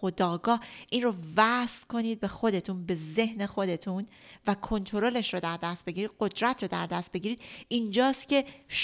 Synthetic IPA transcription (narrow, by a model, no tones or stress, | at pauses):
od̪ɒːɡɒːʔiːnrovæst̪ko̞niːd̪̚be̞xo̞d̪e̞t̪ʰunbe̞ze̞hne̞xo̞d̪e̞t̪ʰunvækʰo̞nt̪ʰo̞ɾole̞ʃɾod̪æɾd̪æst̪̚be̞ɡiɾiːd̪̥̚ɢo̞d̪ɾæt̪ʰrod̪æɾd̪æst̪̚be̞ɟiːɾiːd̪̥ind͡ʒɒːst̪ce̞ʃ